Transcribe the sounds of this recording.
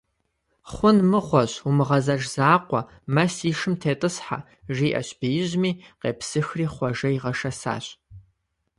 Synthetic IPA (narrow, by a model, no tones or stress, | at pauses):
χʷʊnmɨʁʷɔɕumɨʁɐzɐʒz̥aːqʷɔ | mɐsiːʂɨmtʰeːtʼɨsħa̰ | ʒiːʔɐ̰ɕb̥ijɪʑmiːqḛːpsɨxriːχʷɐʒɐiʁɐʂɐsa̰ːɕʼ